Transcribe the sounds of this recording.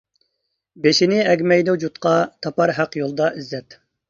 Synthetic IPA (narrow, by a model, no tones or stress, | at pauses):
beʃinɪɛɡʲmɛjd̪ɛd͡ʒut̪qʰɑt̪ʰɑpɑɾɦæqjolˠd̪ɑʔizːɛt̪